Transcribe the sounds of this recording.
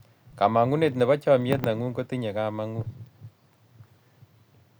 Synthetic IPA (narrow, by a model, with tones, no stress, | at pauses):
ka˨ma˨ŋu˦ne˨tnɛ˨βa˦t͡ʃɔ˦mje˦t̬na˨ŋu˦ŋko˦ti˦ɲe˨ka˦ma˦ŋu˦